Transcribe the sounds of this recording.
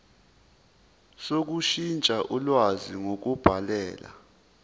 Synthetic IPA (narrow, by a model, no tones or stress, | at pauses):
sok̬uʃint͡ʃʼaʔulwaziŋok̬ub̥ʱalɛːla̰